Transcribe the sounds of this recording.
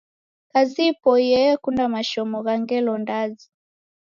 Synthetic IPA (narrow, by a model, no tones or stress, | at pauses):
kazipɔjɛkundamaʃɔmɔɣaŋɡɛlɔndazi